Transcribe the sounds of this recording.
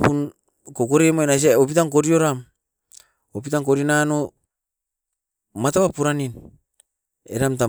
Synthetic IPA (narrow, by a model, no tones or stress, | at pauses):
pun | kokoɾemoenas̬iaop̬itaŋko̞ɾio̞ɾam | op̬itaŋkoɾinano | mataβapuɾanin | ḛɾamt̬a